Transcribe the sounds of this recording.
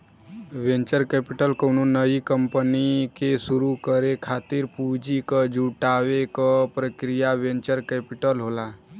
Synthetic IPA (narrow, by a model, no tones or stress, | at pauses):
ʋẽɲt͡ʃəɾkɛpɪʈəlkənonəikəmpənikesuɾukəɾekʰat̪iɾpud͡ʒikəd͡ʒuʈaʋekəpɾəkɾijaʋẽɲt͡ʃəɾkɛpɪʈəlɦola